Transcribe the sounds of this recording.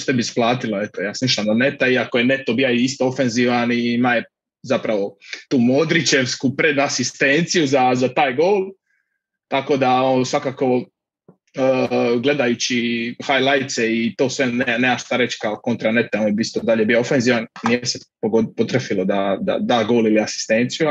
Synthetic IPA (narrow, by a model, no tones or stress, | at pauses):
t̪ebisplˠaːt̪ilaet̪ojaːsmiʃamnane̞t̪aiakoje̞ne̞t̪obijaist̪oofenziːʋaniimaje | zapɾaʋo̞t̪uːmoːd̪ɾit͡ʃe̞ʋskupɾe̞d̪asist̪ent̪sijuzazat̪aːjɡo̞ːlˠ | t̪ako̞d̪aosʋakako̞ | əɡle̞d̪ajut͡ɕihajlajt̪seit̪o̞ːsʋeneneaʃt̪aɾet͡ɕkaoko̞nt̪ɾanet̪eoːnjebist̪od̪aʎebijoofenziːʋannijesepoɡopot̪ɾefilod̪ad̪a̰d̪aːɡo̞ːliliasi̥st̪ent̪siju